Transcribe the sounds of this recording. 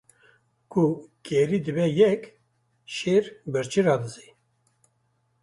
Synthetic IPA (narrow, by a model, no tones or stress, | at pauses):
kʰukɛɾid̪ɨbɛjɛk | ʃeːɾbəɾt͡ʃiɾɑːd̪ɨzi